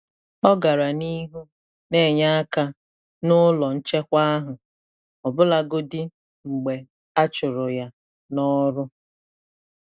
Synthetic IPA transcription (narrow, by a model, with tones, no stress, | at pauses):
ɔ˦ɡa˨ɾa˨ni˦ɦu˦ | ne˦˨ɲa˦a˦ka˦ | nʊ˦lɔ˨n̩˦t͡ʃe˦kʷa˦ɦʊ˨ | ɔ˨bʊ˦la˨ɡʊ˦dɪ˦ | ŋ͡m̩˨ɡ͡be˨ | a˦t͡ʃʊ˨ɾʊ˨ja˦ | nɔ˦ɾʊ˦